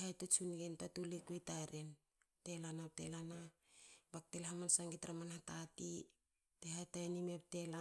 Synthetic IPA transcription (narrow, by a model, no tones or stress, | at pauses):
hajtot͡ʃunɡentatulikujtaɾen | te̞lanap̚telanabak̚telhamansaŋɡitɾamanhatatḭ | tehajtajnime̞p̚te̞la